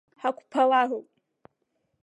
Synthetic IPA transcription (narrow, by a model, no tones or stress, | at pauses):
ħakʷʰpʰalaropʼ